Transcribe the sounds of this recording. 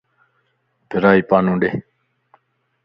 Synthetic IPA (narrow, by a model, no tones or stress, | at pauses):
pɪɾaːipaːnũɖe